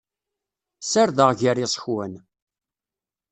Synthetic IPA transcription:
saɾðəʁʝaɾisˤə̥çwæn

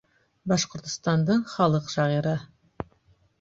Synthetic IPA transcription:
bɑʃqŏɾt̪ŏ̥st̪ɑnd̪ɤɴχɑlˠɤqʃɑʁiɾɤ

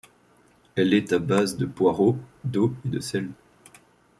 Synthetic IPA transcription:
ɛlɛt̪abazd̪əpwaʁod̪oed̪əsɛl

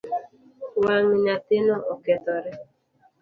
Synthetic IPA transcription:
waŋiɲatɪnɔʔɔkɛt̪ɔɾɛ

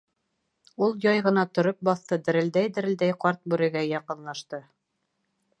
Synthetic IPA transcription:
ulˠjɑjʁɤ̆nɑt̪ŏɾop̚bɑθt̪ɤd̪ɘ̆ɾɘ̆ld̪æjd̪ɘ̆ɾɘ̆ld̪æjqɑɾt̪̚bʉɾɘ̆ɡæjɑqɤ̆nlˠɑʃt̪ɤ

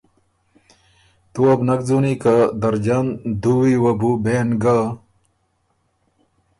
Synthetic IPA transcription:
t̪uɐbnɐɡd͡zunikad̪ɐɾd͡ʑand̪uwiwɐbubeːnɡa

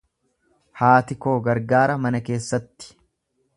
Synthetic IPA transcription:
haːt̪ɪko̞ːɡɐɾɡaːɾɐmɐnɐke̞ːsːɐt̪ːɪ̥

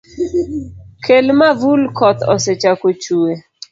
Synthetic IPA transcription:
kʰelmavulkʰɔt̪ɔ̰set͡ʃakot͡ʃuwe

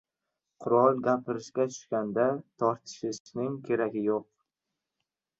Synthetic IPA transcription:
qʰʊɾɒlˠɡʲapʰɪɾɪʃkʲat̪ʰʊ̥ʃkʲand̪at̪ʰɒɾt̪ʰɪ̥ʃɪʃnɪŋkʲʰe̞ɾaɡʲɪjoq̚

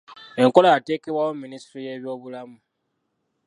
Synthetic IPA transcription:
e̞ŋkolajateːkeβwawomːinistɾijeβjo̞ːβulamu

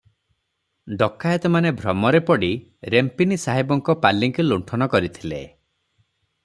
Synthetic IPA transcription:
ɖɔkʰːajet̪ɔmanebʱɾɔmɔɾepɔɽi | ɾempinisaɦibɔŋkɔpalːiŋkuluɳʈʰɔnɔkɔɾit̪ʰilḛ

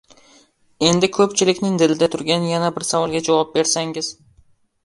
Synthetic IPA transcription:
e̞nd̪ɪkʰɵpt͡ʃʰɪlɪkʲnɪŋd̪ɪlɪd̪at̪ʰʊɾɡʲanjanabɪɾsavɒlˠɡʲad͡ʒavɒp̚be̞ɾsaŋɪz̥

